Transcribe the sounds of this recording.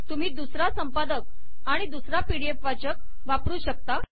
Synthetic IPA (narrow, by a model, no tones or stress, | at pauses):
t̪um̤iːd̪usɾasəmpad̪ək̚ | aɽ̃id̪usɾapiɽiefat͡ɕək̚ | ʋapɾuːɕək̚t̪a